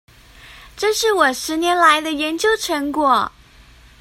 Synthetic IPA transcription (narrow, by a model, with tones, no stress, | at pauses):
ʈ͡ʂɤ˥˧ʂɻ̩˥˩wɔ˨˩ʂɻ̩˧˥njɛ˧˥nla˧˥ɪd̪ə˧jɛ˧˥nt͡ɕjo˥ʊʈ͡ʂʰɤ˧˥ŋkwɔ˨˩˦